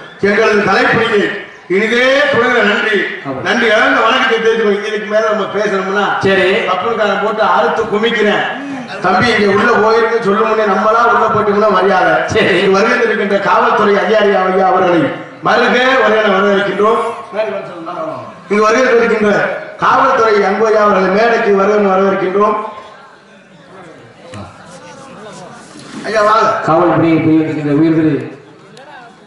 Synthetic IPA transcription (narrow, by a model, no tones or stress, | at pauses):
ɛŋɡɐɭɯnɯt̪ɐlɐɪpːɐlːi | ɪnɪɣleːpɔɽɯɣɪɾɐnɐɳdrinɐɳdriɛɽɐnd̪ɐʋɐɳɐkːɯkːɐt̪̬ːeːɾɯɾõːɪŋɡɪlɯkːɯmeːlɐnɐmːɐpeːsɐɾɐmɐnːaːsɐɾiɐpːɐnɯkːaːnɐp̬oːʈːɯaɾɯt̪ːɯkʊmɪk̬ːɪɾɛ̃ː | t̪ɐmbiɪŋɡeːʊɽːɐpoːɣɪɾɯnɯsɔlːɯmɐnːenɐmːɐlãːʊɽːɐpɐːʈːɯmɐnːɐ̃ʋɐɾɪjaːɣɐsɐɾiɪŋɡɐʋɐɾɯɣɐnd̪ɪɾɯk̬ːɪndrɐkaːʋɐlt̪ːɔɾɐɪɐðjaːɾɪjaːʋɐjaːʋɐɾɣɐɭɐɪ | mɐɾɯɣeːʋɐɾɪɐnɐʋɐɾɐʋɐɪɾɯkːɪɳdroːmme | ɪŋɡɐʋɐɾɯɣɐndɪɾɯk̬ːɪndrɐkaːʋɐlɐt̪ːɔɾɐjɐŋɡɯʋɐjaːʋɐɾɣɐɭɐɪmeːɐɽɐkːɯʋɐɾɯɣɐnːɯʋɐɾɐʋɪɾɯkːɪndroːm | ɐjːaːʋaːɐkaːʋɐɭɐpːɐɽɪɐɪpːɐːjʋɐnd̪ɾkːɪndrɐʊjɪɾðɯɾɯ